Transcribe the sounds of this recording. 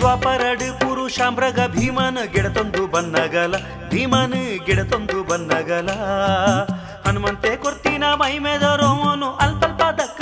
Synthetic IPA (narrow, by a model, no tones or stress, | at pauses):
sʋaːpɐɾɐɖɨkuːɾuʃaːmbɾɐɡɐbʱiːmaːnɨɡɛɽɐt̪ond̪ubɐnd̪aːɡɐːlɐ | bʱiːmaːnɨɡɛɽɐt̪ond̪ubɐnːaːɡɐːlɐ | hɐnmɐnt̪ekoɾt̪iːnaːmɐɦimeːd̪ɐːɾomonuʔɐlpɐlpaːd̪ɐkː